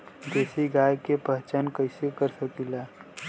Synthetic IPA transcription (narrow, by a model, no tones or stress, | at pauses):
d̪eːsiɡaːjkepəɦt͡ʃənkəɪsekəɾsəkilaː